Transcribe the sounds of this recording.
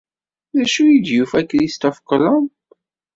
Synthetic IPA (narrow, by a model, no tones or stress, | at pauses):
ðæʃuid̪jufækɾist̪ɔfkɔlɔm